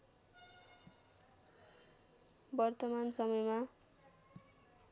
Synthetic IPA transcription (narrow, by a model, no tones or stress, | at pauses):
bʌrt̪ʌmansʌmʌjma